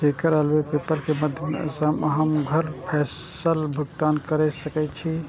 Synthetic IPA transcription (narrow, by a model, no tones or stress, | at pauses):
t̪ekəɾəlwepepəlkeməd̪ʱjmḛsəmɦəmɡʱəɾpʰɛːs | əlbʱəɡt̪aːnkəɾɛsəkɛt͡ʃʰi